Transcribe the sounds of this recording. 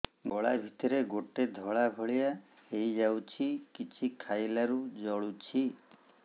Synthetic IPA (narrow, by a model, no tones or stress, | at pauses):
ɡɔɭabʱit̪ɔɾeɡoʈed̪ʱɔɭaɡʱɔɭija | ejd͡ʒawt͡ʃʰikit͡ʃʰikʰajlaɾud͡ʒɔɭut͡ʃʰi